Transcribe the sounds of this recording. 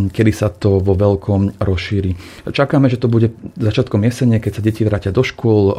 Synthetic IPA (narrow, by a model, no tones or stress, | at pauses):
kɛd̪isat̪ɔʋɔʋɛlkʰɔmɾɔsʃiːɾiː | t͡ʃakaːmɛʒɛt̪ɔbuɟɛzat͡ʃɪat̪kɔmjɛsɛɲɪɛkɛcsaɟɛciʋɾaːcɪad̪ɔʃkʊɔl